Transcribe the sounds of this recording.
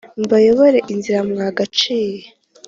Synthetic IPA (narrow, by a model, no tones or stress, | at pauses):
mbajo̞βoɾe̞ʔinziɾamŋaːɡat͡ʃiːje